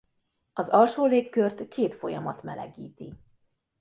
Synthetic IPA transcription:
ɒzɒlʃoːleːkːørt̪kʰeːt̪fo̞jɒmɒt̪mɛlɛ̰ɡiːt̪i

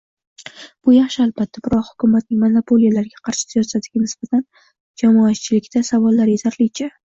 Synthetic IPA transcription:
b̥ʊjɑχʃɪalˠbat̪ʰːabɪɾɒqhʊ̥kʲʰʊmat̪̚nɪŋʲmonopʰolijalaɾɡʲaqʰɑɾʃɪ̥zjɒsad̪ɪɡʲanɪsb̥at̪ʰan | d͡ʒamɒat̪t͡ʃʰɪlɪkʲt̪ʰasavɒlːaɾjet̪ʰaɾlɪt͡ʃʰa

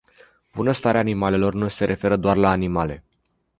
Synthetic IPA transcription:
b̥unəst̪aɾeaːnimale̞lo̞rnuse̞ɾʔe̞fe̞ɾəd̪oarlaːnimale̞̰

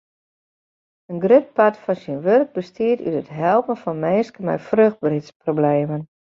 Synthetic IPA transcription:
ənɡrøt̚patfɔnsiənʋørk̚bəstiəty̰tətɦɛlˠpənfɔnmenskəmɛ̰jfrøxt̚britsprobleːmən

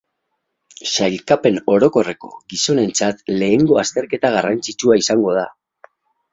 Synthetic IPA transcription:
ʃajlkape̞no̞ɾo̞ko̞re̞ko̞̥̰ɡiso̞ne̞nt͡sat̪le̞ːŋɡo̞ast̪e̞ɾke̞t̪aɣ̞arant͡sit͡ʃuaisaŋɡo̞ð̞a

